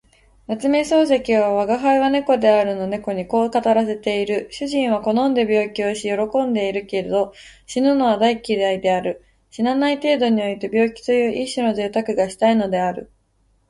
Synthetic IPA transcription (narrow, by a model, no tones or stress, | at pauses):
nat͡sɨme̞so̞ːs̬ekʲiβaβaɡaɦaiβane̞ko̞d̪e̞aɾɯ̟no̞ne̞ko̞ɲ̟iko̞ːkat̪aɾase̞t̪e̞iɾɯ̟ɕɨʑĩɰ̃βako̞no̞nd̪e̞bʲo̞ːkʲio̞ɕijo̞ɾo̞kõ̞nd̪e̞iɾɯ̟ke̞ɾed̪o̞ | ɕinono̞β̞ad̪aikʲid̪aid̪e̞aɾɯ̟ | ɕinanait̪e̞ːd̪o̞ɲ̟io̞it̪e̞bʲjo̞ːkʲi̥t̪o̞jɯ̟ːʔiɕino̞zeːt̪akɯ̟ɡaɕi̥t̪aino̞d̪e̞aɾɯ̟̰